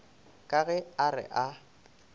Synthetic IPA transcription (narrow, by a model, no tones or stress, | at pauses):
kʼaɣɛarɪ̰ʔa